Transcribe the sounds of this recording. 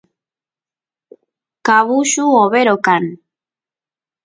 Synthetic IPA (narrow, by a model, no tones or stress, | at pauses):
kaβuʃuoβeɾokan